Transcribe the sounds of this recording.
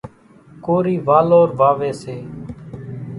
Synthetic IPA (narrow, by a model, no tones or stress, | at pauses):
koːɾiːʋaːloːɾʋaːʋeːseː